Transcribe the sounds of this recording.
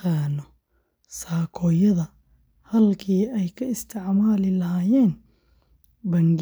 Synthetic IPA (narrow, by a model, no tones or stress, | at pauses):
aːnɔ | saːkʰɔːjɐðɐ | hɐlkʰiːɛjkʰɐɪst̪ʰɪʕmaːlɪlɐhaːjɛːn | bɐŋɡ